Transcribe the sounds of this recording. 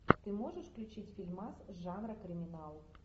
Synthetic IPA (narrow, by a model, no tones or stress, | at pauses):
t̪ɨmɔʐɨʂfklʲut͡ɕit͡sʲfʲilʲmasʐanɾɐkɾɨmʲinalˠ